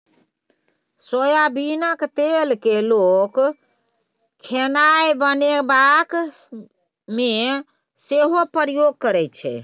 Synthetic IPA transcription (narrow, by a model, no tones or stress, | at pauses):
sojabinəkt̪elkelok | kʰːenajbənebak | me | seɦopəɾjoɡ̚kəɾɛt͡ʃʰɛ̰